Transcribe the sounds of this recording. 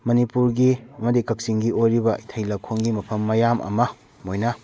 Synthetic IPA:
mɐnipuɾɡiɐmɐdikɐk̚siŋɡiojɾibɐitʰɐjlɐkʰoŋɡimɐpʰɐmːɐjamʔɐ̰mɐ | mojnɐ

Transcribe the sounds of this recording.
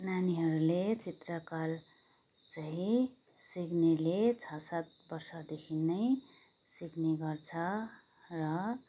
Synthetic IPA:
naniɦʌɾulet͡sit̪rʌkal | t͡saɦĩ | siɡnelet͡sʰʌsat̪̚bʌrsʌd̪ekʰinːʌj | siɡneɡʌrt͡sʰʌ | rʌ

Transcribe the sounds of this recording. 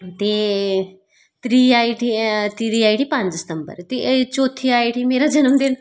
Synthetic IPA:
t̪e | t̪ɾiːajʈit̪iɾiaːjʈipãnɪst̪əmbə̰ɾt̪et͡ʃoːt̪ʰiajʈimeːɾad͡ʒɐnəmd̪en

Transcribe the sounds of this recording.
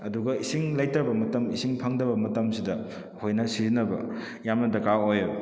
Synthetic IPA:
ɐduɡɐisiŋlɐjtɾɐbɐmɐtɐmisiŋpʰɐŋdɐbɐmɐtɐmsidɐ | hojnɐsizinːɐbɐ̰ | jamnɐdɐkaojo

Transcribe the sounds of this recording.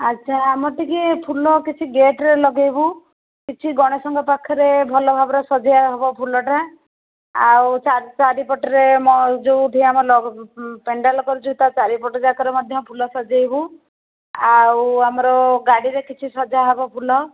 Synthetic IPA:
atːt͡ʃʰaːmɔʈikepʰulɔkit͡ʃʰiɡeʈɾelɔɡejbu | kit͡ʃʰiɡɔɽ̃ɔsɔŋɡɔpakʰːɔɾebʱɔlɔbʱabɔɾasɔd͡ʒajaɦɔbɔpʰulɔʈa | awt͡ʃat͡ʃaɾipɔʈɔɾemɔd͡ʒowʈ̪ʰiaamɔlɔpeɳɖalɔkɔɾut͡ʃʰut̪at͡ʃaɾipɔʈɔd͡ʒakɔɾemɔd̪ʱjɔpʰulɔsɔd͡ʒajbu | awamɔɾɔɡaɽiɾekit͡ʃʰisɔd͡ʒaɦɔbɔpʰulɔ

